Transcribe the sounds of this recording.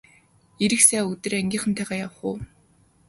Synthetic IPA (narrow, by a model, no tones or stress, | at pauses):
eɾɘ̆ksæːɵt̪ɘ̆ræŋɡʲiːɴχə̆nt̪ʰæːʁaːjawə̆χʊː